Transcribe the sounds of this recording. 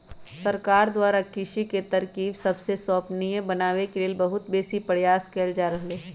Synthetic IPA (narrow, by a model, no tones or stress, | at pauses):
sɐɾkaːɾd̪waːɾakɪʃiket̪ɐɾkiːbsɐbsesɔːpniẽbɐnaːwekeleːlbɐɦʊt̪beːsipɐɽjaːskɛːld͡ʒaːɾɐɦleː